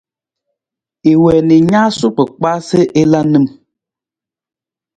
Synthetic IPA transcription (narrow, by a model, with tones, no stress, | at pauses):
e˨wɛ˨ni˨ɲa˦su˦pɨ˨k͡pa˦se˦ʔe˦la˦nɨ˦m